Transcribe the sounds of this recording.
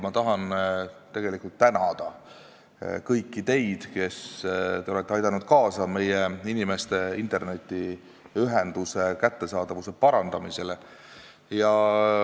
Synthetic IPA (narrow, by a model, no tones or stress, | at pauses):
mɑt̪ɑɦɑnt̪e̞ɡ̥e̞likːˑult̪ːænɑd̪̥ɑ | kɤjkːit̪e̞jd̪̥ke̞st̪e̞o̞le̞t̪ːˑeɑjd̪ɑnud̪̥kɑːsɑme̞jeinime̞st̪e̞int̪ˑerne̞t̪ʲːi | yɦend̪use̞kæt̪ːe̞sɑːd̪ɑvuse̞pɑɾɑnd̪̥ɑmise̞le | jɑ